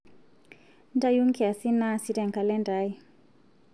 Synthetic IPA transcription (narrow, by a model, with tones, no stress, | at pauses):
nda˦ju˦ŋ˦kɛ˨a˨si˦na˦˨si˦dɛ˨ŋka˨lɛ˦nda˦i˦